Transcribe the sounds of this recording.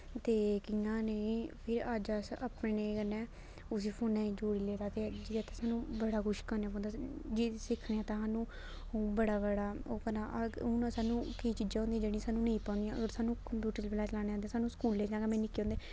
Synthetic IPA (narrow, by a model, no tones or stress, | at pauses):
t̪eːkɪːãːneĩpʰɪɾaːd͡ʒasəpneːkənːɛ̃ː | ʊs̬iːpʰoːnɛ̃ːid͡ʒoːɽiːleːɾaːt̪eːd͡ʒɪd̪eːt̪ãːsaːnũːbəɽaːɡʊʃkəːnejãːpɔ̃ːnd̪ad͡ʒisɪkʰneãːt̪ãːɦaːnũː | bəɽaːbəɽaːoːkənãːʔəʊnãːsaːnũːkiːt͡ʃiːd͡ʒaːɦõnd̪ijãd͡ʒeːɽĩːsaːnũːnẽĩːpãːnd̪ijãːəɡəɾsaːnũːkəmpjuːʈəɾblãːt͡ʃəlaːñeːãnd̪ẽãːsaːnũːskuːlẽːd͡ʒãːɡaːmɛ̃ːnɪkːõːnd̪eː